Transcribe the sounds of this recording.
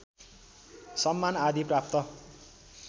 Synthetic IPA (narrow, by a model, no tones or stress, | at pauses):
sʌmːanad̪iprap̚t̪ʌ